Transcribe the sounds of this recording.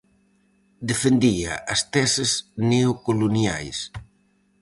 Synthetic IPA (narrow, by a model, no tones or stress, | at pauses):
d̪efend̪ia̰ʔɐst̪ɛsɪzneokolonja̰js